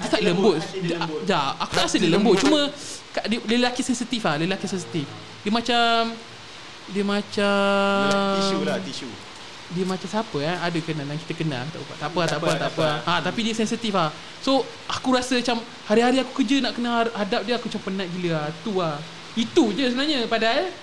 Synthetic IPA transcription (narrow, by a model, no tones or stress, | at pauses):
diət̪aʔləmbʊt̪̚d͡ʒaaku̥t̪aʔɾasədiələmbʊt̪̚t͡ʃumə̃kaʔdələllakisɛnsit̪ifahləlakisɛns̬it̪if | diəmat͡ʃam | diəmat͡ʃa | mu | diəmãt͡ʃamsapəaadəkənandjaŋkit̪əkəna̰akt̪a̰ʔuba̰ʔt̪apəatt̪aʔpəat̪apəaat̪apidiəsɛnsit̪ifah | so | akuɾasəmat͡ʃam | haɾiɦaɾiakukəd͡ʒənaʔkənəhadap̚diəakuat͡ʃampənãʔ̚ɡiləat̪ua | it̪ud͡ʒəsəbənaɲapadaa